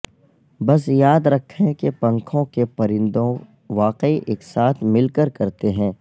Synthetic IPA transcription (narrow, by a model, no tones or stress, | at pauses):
bɐs̬jaːd̪ɾɐkʰːẽkepɐ̃ŋkʰõkepɐɾɪ̃nd̪õ | ʋaːqiʔeːksaːt̪ʰmɪlkəɾkɐɾt̪eɦɛ̃ː